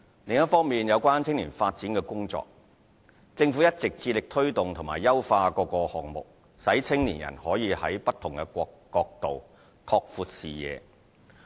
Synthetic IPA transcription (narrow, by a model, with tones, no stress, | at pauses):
lɪ˨ŋjɐ˥t̚fɔː˥ŋmiː˨njɐ˨˧wkʷaː˥nt͡sʰɪ˥ŋlḭː˨˩nfaː˧t̚t͡siː˨˥nkɛː˧kʊ˥ŋt͡sɔ̰ː˧k̚ | t͡sɪ˧ŋfu˨˥jɐ˥t̚t͡sɪ˨k̚t͡siː˧lɪ˨k̚t̪ʰɵ˥ɥt̪ʊ˨ŋt̪ʰʊ˨˩maː˨˩jːɐ˥wfaː˧kɔː˧kɔː˧hɔː˨ŋ̚mʊ̰˨k̚ | sɐ˨˥jt͡sʰɪ˥ŋlḭː˨˩njɐ̰˨˩nhɔː˨˥jiː˨˧hɐ̰˨˥jpɐ˥t̪ʰʊ˨˩ŋkɛ˧kʷɔ˧ | kɔː˧k̚t̪o˨w | k̪ʰɔː˧k̚fuː˨˧t̚siː˨jɛ̰ː˨˧